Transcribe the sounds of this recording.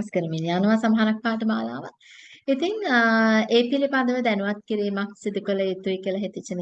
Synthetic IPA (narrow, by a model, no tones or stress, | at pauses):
skəɾəminjaːnuʋaːsamɐɦaɾak̚ʋaːʈəma̰ːla̰ːʋa̰ | it̪iŋəeːpilipad̪əʋəd̪ɛnuʋat̪̚kiɾiːmaksid̪ukələet̪uikiəlɐɦet̪it͡ʃːinə